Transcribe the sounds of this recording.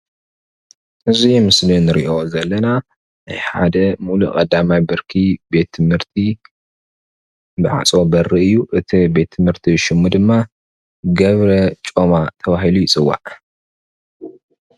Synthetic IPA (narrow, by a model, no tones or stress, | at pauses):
ʔɨzimɨslinɨɾḭʔo̞zɐlːɐna | na̰jħa̰d̪ɐmulṵkʼɐd̪amajbɨɾkʰibe̞t̪ʰːɨmhɨɾt̪ʰi | bɨʕa̰t͡sʼo̞bɐrːɨɨjːuʔɨt̪ʰibe̞t̪ʰːɨmhɨɾt̪ʰiʃɪmːud̪ɨmːa | ɡɐβɾɐt͡ʃʼomat̪ʰɐβaɦilujit͡sʼɨwa̰ʔ